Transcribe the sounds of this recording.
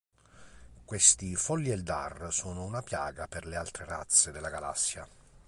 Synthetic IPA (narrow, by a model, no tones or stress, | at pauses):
kwest̪ifɔlːiɛld̪a̰rsɔːnʊunapjaːɡapɛrlealt̪ɾera̰t̪sːɪd̪ɛlaɡala̰sːja